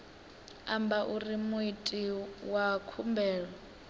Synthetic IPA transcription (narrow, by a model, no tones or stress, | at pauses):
ambaʔurimuitʼiwakʰumbɛːɺɔ